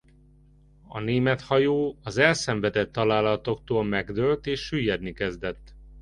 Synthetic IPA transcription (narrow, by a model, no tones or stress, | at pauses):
ɒneːmɛt̪hɒjoːɒzɛlsɛɱvɛd̪ɛt̪ːɒlaːlɒt̪o̞kt̪oːlmɛɡd̪ølt̪eːʃːyjːɛd̪nikɛzd̪ɛt̪ː